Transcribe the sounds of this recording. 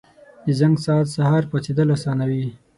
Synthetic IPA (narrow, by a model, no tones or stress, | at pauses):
d̪əzaŋɡsɑt̪sahɑɾpɑt͡sed̪əlasɑnawi